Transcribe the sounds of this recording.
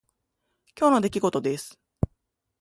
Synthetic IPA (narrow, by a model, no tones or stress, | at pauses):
kʲo̞ːno̞d̪e̞kʲiɡo̞t̪o̞d̪e̞sɨ̥